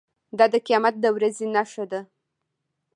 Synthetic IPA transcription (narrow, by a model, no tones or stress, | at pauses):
d̪ɑd̪əqijɑmat̪̚d̪əwɾazenaʃad̪a